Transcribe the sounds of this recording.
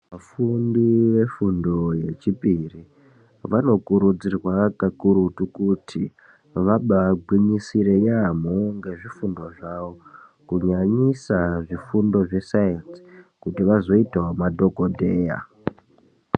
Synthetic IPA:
mafunduʋe̞fundo̞je̞t͡ʃipiri | ʋano̞kuɾud͡zirwakakuɾutukutʰi | ʋaɓaɡʱwiɲisiɾe̞jam̤oŋɡe̞ʐifundo̞ʐaʋo | kuɲaɲisaʐifundo̞ʐe̞sajensi̥kutiʋazo̞itewamadʱo̞kodʱe̞ːja̰

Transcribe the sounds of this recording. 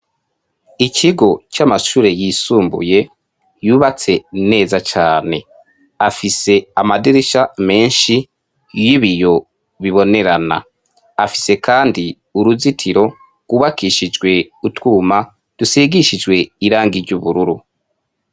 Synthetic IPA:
icʰiɡo̞t͡ʃamaʃuːɾe̞jiːsuːmbṵje̞ | juːβat͡se̞ne̞ːzat͡ʃaːne̞ | afise̞amadiɾeʃame̞ːnʃi | jiβijo̞ | βiβo̞ne̞ɾana̰ | afi̥se̞kaːndi | uɾuzitʰiɾo̞ | ɡ̥uβakiʃid͡ʒɡwe̞ | utwuːma | d̥usiɡiʃid͡ʒwe̞iɾaːŋɡiɾɟuβuɾuɾu

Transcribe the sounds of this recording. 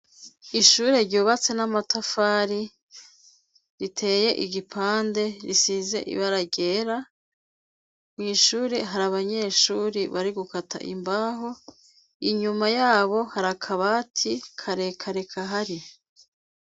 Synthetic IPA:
iʃuːɾe̞ɾɟuːβat͡se̞namatafaːɾi | ɾitʰe̞ːje̞ʔiɟipʰaːnde̞ɾisiːze̞̰ʔḭβaɾaɟe̞ːɾa | mŋiʃuːɾeɦaɾaβaɲe̞ːʃuːɾiβaɾiɡukatʰa̰ʔḭmbaːɦo̞ | iɲumajaːβo̞haɾakʰaβaːtʰikʰaɾekʰaɾe̞kʰaɦaɾi

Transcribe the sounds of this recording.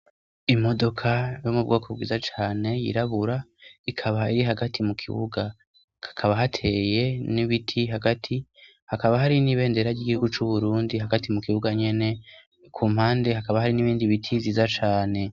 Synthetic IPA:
imo̞do̞kʰajo̞mub̚ɡo̞ːkʰo̞b̚ɡiːzat͡ʃaːne̞jḭɾaβuɾaikʰaβaiɾiɦaɡatʰimukʰḭβṵɡa | kakʰaβaɦatʰe̞je̞niβitʰiɦaɡatʰi | hakaβaɦaɾiniβe̞ːnde̞ɾaɟiːɡihuɡut͡ʃuβuɾuːndiɦaɡatimukiβuɡaɲe̞ne̞ | kʰuːm̥haːnde̞ɦakaβahaɾiniβiːndiβitʰiziːzat͡ʃaːne̞

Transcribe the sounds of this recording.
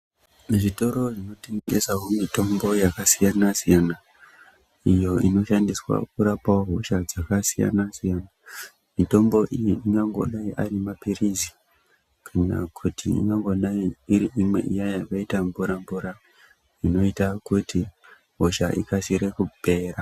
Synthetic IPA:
ʐito̞ɾo̞ʐino̞teŋɡe̞saɦomito̞mbo̞jakasijanasijana | ijo̞ino̞ʃandiswa̰kuɾapaɦo̞ʃad͡zakasija̰nasijana | mito̞mbo̞ʔijiiŋɡaŋɡo̞̰ɗaiʔarimapirizi | kʰana̰kʰutʰiḭŋɡaŋɡo̞ɗaiiɾiʔimwe̞̰ʔijajaʋaitambuɾambuɾa | ino̞itakutʰi | ɦo̞ʃa̰ʔikasiɾe̞kupe̞ːra

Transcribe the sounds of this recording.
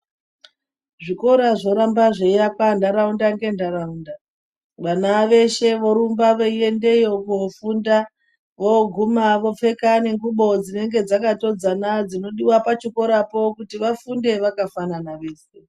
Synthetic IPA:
ʐiko̞ɾaʐo̞ɾambaʐejakwandaɾaundaŋɡe̞ndaɾaunda | ʋanaʋe̞ʃe̞ʋo̞ɾumbaʋoie̞nde̞jokofunda | ʋoɡʱumaʋo̞p͡fe̞kane̞ŋɡuɓo̞d͡zine̞ŋɡe̞d͡zakato̞d͡zanad͡zino̞ɗiwapat͡ʃiko̞ɾapo̞kutiʋafunde̞ʋakafananaʋe̞ːse

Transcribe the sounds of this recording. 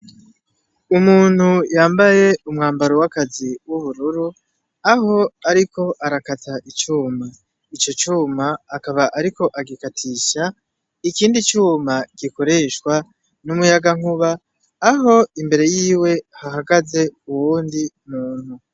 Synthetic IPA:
umuːn̥hujaːmbaje̞umŋaːmbaɾowakaziwuβuɾuɾu | aɦo̞aɾiko̞ʔaɾakatʰaʔit͡ʃuːma | it͡ʃo̞t͡ʃuːmaːkaβaʔaɾiko̞ʔaɡikatʰiʃa | ikiːndit͡ʃuːmaɡ̥iko̞ɾe̞ʃkwa | numujaɡaŋuβaː | ɦo̞imbe̞ɾe̞jiːwe̞haɦaɡaze̞uwuːndimuːn̥hu

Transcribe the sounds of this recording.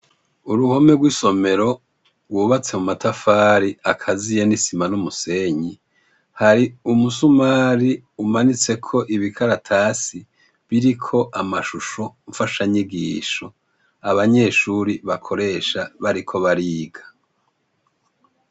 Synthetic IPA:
uɾuho̞meɡwiːso̞me̞ɾo̞ | ɡwuːβat͡se̞mumatʰafaːɾiakʰazije̞nisimanumuse̞ɲi | haɾiumusumaːɾiumanit͡se̞kʰo̞ʔiβikʰaɾatʰaːsi | βiɾikʰo̞ʔamaʃuʃo̞ɱfaʃaɲiɡiːʃo | aβaɲe̞ːʃuːɾiβakʰo̞ɾe̞ːʃaβaɾikʰo̞βaɾiːɡa

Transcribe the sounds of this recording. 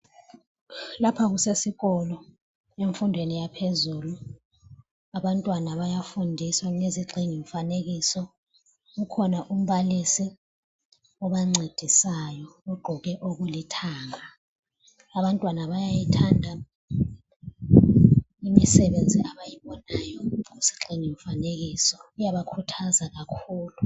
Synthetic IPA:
lapʰaɣusesiɣɔlɔ | eɱfundʱwenijapʰezulu | aβantʼwanaβajafundʱiswaneziɡ͡ǀʱiŋiɱfaneɣisɔ | ɣukʰɔnaʔum̩βalisi | ɔβaŋ͡ǀʱed̥ʱisajɔɔɡ͡ǃʱɔɣɛʔoɣulitʰaːŋa | aβantʼwanaβajajitʰandʱa | imisɛβend͡zʱiʔaβajiβɔnajɔusi̥ǃiŋiɱfaneɣisɔijaβakʰutʰazaɣakʰuːlu

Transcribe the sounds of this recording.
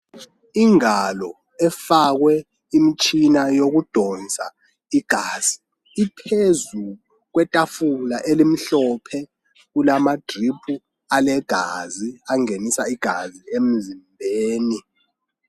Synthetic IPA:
iŋalɔ | ɛfak̬wɛ | imit͡ʃʰʼinajok̬ud̥ʱɔnt͡sʼa | iɡ̥ʱaːz̥iː | pʰezu | k̬wɛtʼafulaʔelim̩ɬɔpʰɛ | kulamad̥ripʰu | alɛɡ̥ʱaziaŋenisaiɡ̥ʱaziem̩zimbʱeːni

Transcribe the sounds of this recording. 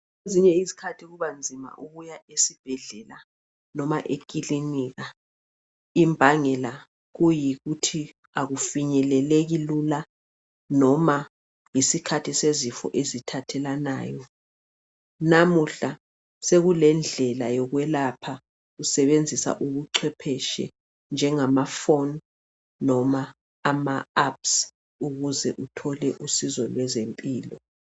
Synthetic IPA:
eziɲɛizi̥kʰatʰiɣuβand͡zʱima̰ʔuɣujaesib̥ʱɛɮɛla | nɔmaʔekʼiliniɣa | imbʱaŋɛla | ɣujiɣutʰi | aɣufiɲɛlɛleɣilula | nɔma | jisikʰatʰisezifɔ̰ʔezitʰatʰɛlana̰ːjɔ | namuɬa | seɣulɛnd͡ɮʱɛlajɔɣwɛlapʰa | ɣusɛβend͡zʱisa̰ʔuɣuǀʰwɛpʰɛʃɛ̰ | nd͡ʒʱɛŋamafonː | ɔmaː | maaps | uɣuzɛʔutʰɔlɛʔusizɔlwɛzempʼiːlɔ

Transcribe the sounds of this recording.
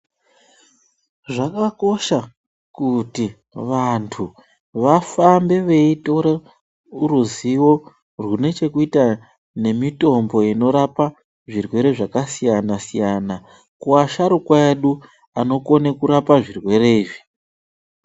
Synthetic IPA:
ʐakako̞ʃa | kuti | ʋantʰu | ʋafambe̞ʋe̞ito̞ɾe | uɾuziwo̞ | rwune̞t͡ʃe̞kuita | ne̞mito̞mbo̞ino̞ɾapa | ʐirwe̞ɾe̞ʐakasijanasijana | kuaʃaɾukwaeɗu | ano̞ko̞nekuɾapaʐirwe̞ɾe̞iːʐi

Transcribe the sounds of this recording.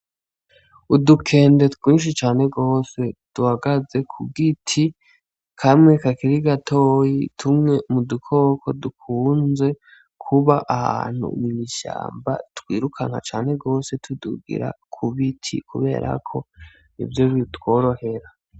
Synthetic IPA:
udukʰe̞ːnde̞twiːnʃ̬it͡ʃaːne̞ɡo̞ːse̞d̥uhaɡaze̞kʰuɡitʰi | kʰamŋe̞kakiɾiɡatʰo̞ːjitʰumŋe̞mudukʰo̞kʰo̞dukʰuːnze̞ | kʰuβaʔaha̰ːn̥hṵmiɲiʃa̰ːmba̰twiːɾukʰaŋ̥ha̰t͡ʃaːne̞ɡo̞ːse̞tʰuduɡḭɾa̰kʰuβitʰḭkuβe̞̰ːɾʔa̰kʰo̞ | nḭvjo̞βitwo̞ːɾo̞he̞ɾa

